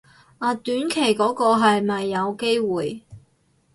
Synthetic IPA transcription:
ʔaː˨˩t̪yː˨˥nkʰe˨˩jkɔː˨˥kɔː˧ɦɐ˨jmɐ˨jːɐ˨˧wke˥jwuː˨˩j

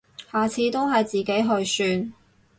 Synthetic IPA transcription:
haː˨t͡sʰiː˨˧t̪o˥wɦɐ˨jt͡siː˨˩ke˨˥jɦɵ˧ɥsyː˧n

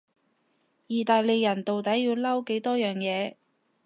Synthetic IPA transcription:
jiː˨t̪aː˨jle˨˧jːɐ˨˩nt̪o˨wt̪ɐ˨˥jjiː˧wlɐ˥wke˨˥jt̪ɔː˥jœː˨˩ŋjɛː˨˧

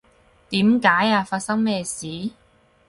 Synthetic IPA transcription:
t̪iː˨˥mkaː˨˥jaː˧faː˧t̚sɐ˥ŋmɛː˥˧siː˨˥

